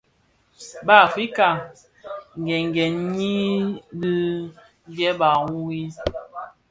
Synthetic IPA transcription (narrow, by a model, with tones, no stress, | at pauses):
ba˦˨fi˦ka˨ | ŋ˨ɡɛ˨ŋ˨ɡɛ˨n˦ɲi˦bi˦ | ŋ˦ɡɛ˦ba˨wu˦wi˦